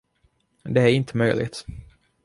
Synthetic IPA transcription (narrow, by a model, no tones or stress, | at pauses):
d̪ɛæɾɪnt̪ʰəmœjlʔɪ̰t̪